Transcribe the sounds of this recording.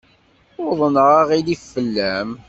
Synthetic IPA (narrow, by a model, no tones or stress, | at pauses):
ʊðˤənʁɑʁilifːəlːæm